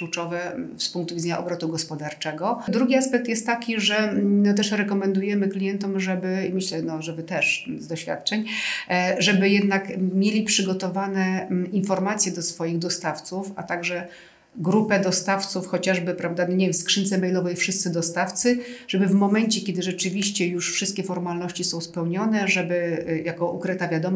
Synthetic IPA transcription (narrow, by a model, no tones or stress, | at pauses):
klut͡ʂɔvɛspuŋk̚t̪uvʲid̪d͡z̪ɛɲaʔɔbɾɔt̪uɡɔspɔd̪aɾt͡ʂɛɡɔd̪ɾuɡʲiaspɛk̚t̪jɛst̪ːakʲiʐɛnɔt̪̬ɛʂɾɛkɔmɛnd̪ujɛmɘklʲijɛnt̪ɔmʐɛbɘimɘɕlɛnɔʐɛbɘt̪ɛʂzd̪ɔɕfʲja̰t̪̚t͡ʂɛɲ | ʐɛbɘjɛd̪nakmʲjelʲipʂɘɡɔt̪ɔvanɛinfɔɾmat̪sʲjɛd̪ɔsfɔjiɣd̪ɔst̪aft̪sufa̰t̪aɡʐɛ | ɡɾupɛd̪ɔst̪aft̪sufxɔt͡ɕaʐbɘpɾavd̪anɲevʲjʲɛmskʂɘnt̪sɛmɛjlɔvɛjfʂɘɨst̪sɘd̪ɔst̪aft̪sɘʐ̥ɛbɘvmɔmɛnt͡ɕɛkʲɛd̪ɘʐɛt͡ʂɘvʲiɕt͡ɕɛjuʂfʂɘst̪kʲɛfɔɾmalnɔɕt͡ɕisɔ̃w̃spɛwɲɔnɛʐɛbɘjakɔʔukɾɘt̪avʲjad̪ɔm